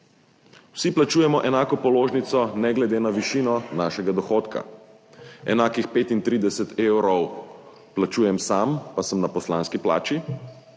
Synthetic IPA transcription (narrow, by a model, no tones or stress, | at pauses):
wsiplat͡ʃuːjɛmɔʔɛnaːkɔpɔloːʒnit̪sɔnɛɡlɛd̪eːnaʋiʃiːnɔnaːʃɛɡad̪ɔxoːt̪ka̰ | ɛ̰naːkixpeːt̪int̪ɾiːd̪ɛsɛt̪ewɾɔw | plat͡ʃuːjɛmsampasəmnapɔslaːnskipla̰ːt͡ʃi